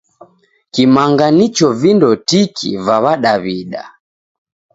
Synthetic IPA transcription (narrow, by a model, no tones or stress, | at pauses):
kimaŋɡanit͡ʃɔvindɔtikʰḭvaβaɗaβiɗa̰